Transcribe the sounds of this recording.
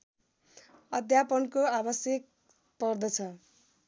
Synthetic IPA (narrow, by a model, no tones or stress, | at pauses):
ʌd̪ʱjapʌnkoabʌsjek̚ | pʌrd̪ʌt͡sʰʌ